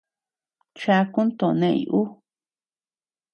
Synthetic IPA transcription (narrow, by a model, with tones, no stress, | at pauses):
t͡ʃa˧ku˦nt̪õ˨˧nẽ˦˧˨ḭ˨˧ʔu˦